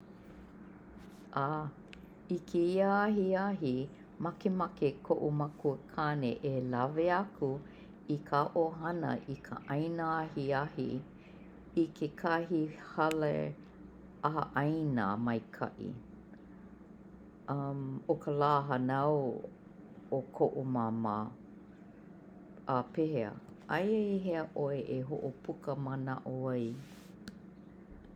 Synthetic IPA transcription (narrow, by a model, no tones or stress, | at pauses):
ʔaː | ikʰeiaaɦiaɦi | mɐkemɐkekʰoʔumɐkuəkʰaːnḛʔelɐveɐkʰu | ikʰaːʔoɦɐnə̰ʔikʰə̰ʔɐjnaahiahḭ | ikʰekʰahihɐlḛ | ɐɦɐ̰ʔɐjnə̰mɐjkʰɐ̰ʔḭ | ʔɐmokəlaːɦɐnɐw | okʰoʔomama | ʔapeheə̰ʔajeiɦeəʔoeʔeɦoʔopʰukəməna̰ʔoɐj